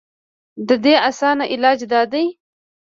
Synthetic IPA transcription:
d̪əd̪easɑnaʔɪlɑːd͡ʒd̪ɑd̪aj

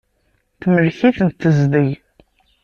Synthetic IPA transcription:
θməlçiθənt̪ːəzd̪ij

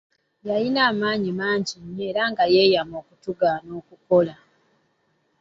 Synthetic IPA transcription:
jajinaːmaːɲimaːɲɟiɲe̞ɾaŋɡaje̞ːjamo̞ːkutuɡano̞ːkuko̞la

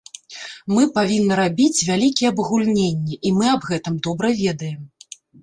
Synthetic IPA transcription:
mɨpavʲinːɐɾabʲit͡sʲvʲalʲikʲiɛɐbɣulʲnʲenʲːɛʔimɨɐbɣɛt̪ɨmd̪ɔbɾɐvʲɛd̪ɐjɛm

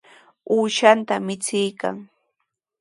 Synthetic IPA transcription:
uːʃant̪amɪt͡sɪjka̰ŋ

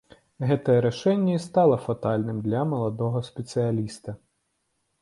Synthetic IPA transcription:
ɣɛt̪ɐjɛɾaʂɛnʲːɐist̪alˠɐfat̪alʲnɨmd̪lʲɐmɐlˠad̪ɔɣɐspʲɛt̪sɨjalʲist̪ɐ

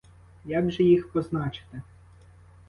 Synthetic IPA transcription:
jaɡʒɛjixpɔznɑt͡ʃɪ̥t̪ɪ

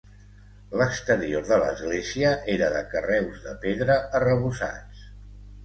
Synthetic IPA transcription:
ləkst̪əɾioðələ̰zɣleziəʔeɾəðəkərɛwzðəpeðɾəərəβ̞usa̰t͡s

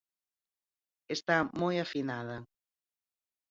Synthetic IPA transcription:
est̪amojafinaðɐ

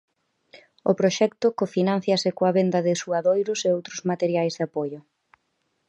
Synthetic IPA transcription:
ʊpɾoʃɛkt̪ʊkofinãn̟θjɐsɪkoaβend̪ɐðɪsuaðojɾʊseowt̪ɾʊzmat̪eɾjajzðapojʊ

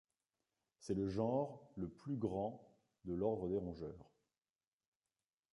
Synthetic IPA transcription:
sɛləʒɑ̃ʁləplyɡʁɑ̃ | d̪əlɔʁd̪ʁəd̪eʁɔ̃ʒœːʁ

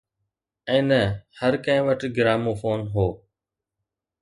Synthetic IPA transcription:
ɛ̃ːnəhəɾkə̃ɦẽːʋəʈɡɪɾaːmõːfoːnɦoː

